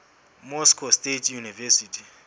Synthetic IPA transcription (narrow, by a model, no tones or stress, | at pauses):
mɔskʰɔstetʰʼjunivɛsitʰi̥